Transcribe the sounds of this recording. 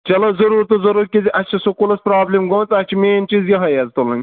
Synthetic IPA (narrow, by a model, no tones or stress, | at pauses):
t͡ʃɐlɐzɐɾuːɾt̪ozɐɾuɾkʲiziʔɐst͡ʃʰɐsokulɐspɾaːblimɡoːnt͡sɐt͡ʃʰimeːnt͡ʃizjɐɦɐjɐzt̪olɐ̃ŋʲ